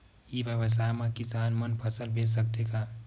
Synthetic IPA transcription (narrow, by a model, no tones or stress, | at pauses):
iʋjəʋəs̬aːjmãkɪsaːnmənpʰəsəlbeːd͡ʒsək̚t̪ekaː